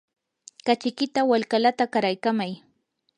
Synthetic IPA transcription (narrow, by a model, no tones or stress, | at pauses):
kat͡ʃɪkɪt̪awalkalat̪akaɾajkamaj